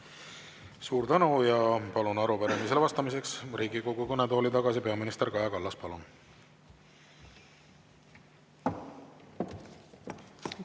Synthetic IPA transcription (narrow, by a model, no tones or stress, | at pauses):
suːɾt̪ænujɑpɑlunɑɾupæɾemis̬elvɑst̪ɑmis̬e̞ksriːɡiko̞ɡukɤnet̪o̞ːlit̪ɑɡ̥ɑsipe̞ɑminist̪eɾkɑjɑkɑlːɑspɑlun